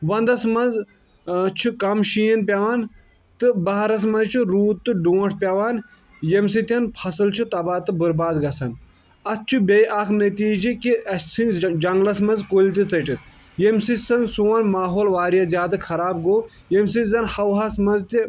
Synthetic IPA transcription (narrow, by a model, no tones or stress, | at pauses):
ʋɐnd̪ɐsmɐnz | t͡ʃʰukɐmʃijɐnpʲaʋaːn | t̪ɨbɐɦɐɾɐs̬mɐnzt͡ʃʰuɾuːt̪t̪ːɨɖõːʈʰpʲaʋaːn | jems̬it̪ʲɐnpʰɐsɨlt͡ʃʰut̪ɐbaːt̪ɨbɨɾbaːd̪ɡɐsɐn | ɐs̚t͡ʃʰubʲejʔɐkʰnɐt̪iːd͡ʒikiɐsinʲzd͡ʒɐŋɡlɐsmɐnzkolʲt̪it͡sɐʈit̪̚ | jemsisɐnsuːwɐnmaːɦoːlʋaːɾijaːzjaːd̪ɐkʰɐɾaːb̚ɡoː | jems̬inzɐnhɐwɦɐsmɐnzt̪i